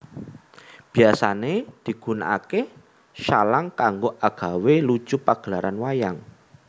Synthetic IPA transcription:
b̥i̤asaned̪̥i̤ɡ̥ṳna̰ʔake | ʃalaŋkaŋɡoʔaɡ̥a̤welu̥ʒ̥upaɡ̥əlaɾanwajaŋ

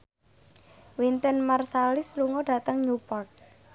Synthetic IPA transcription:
wint̪ənmarsalɪsluŋɔɖa̤t̪əŋɲupɔrt̪̚

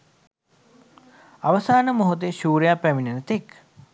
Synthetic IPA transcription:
aʋəsaːnəmoɦot̪eʃuːɾjapæʋinənt̪ek

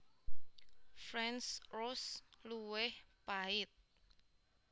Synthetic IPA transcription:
fɾɛnsrʊsluwɪhpaɪt̪̚

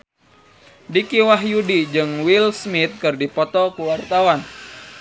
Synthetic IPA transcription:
dikiwaɦjudid͡ʒɨŋwilsmit̪̚kɨrdipɔt̪ɔkuwart̪awan

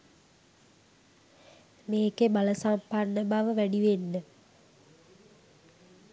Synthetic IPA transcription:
meːkebaləsamparnəbaʋəʋæɖiʋenːə

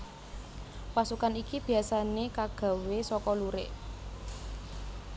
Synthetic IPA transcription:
pasukanikib̥i̤asanekaɡ̥a̤wesɔkɔluɾḛʔ

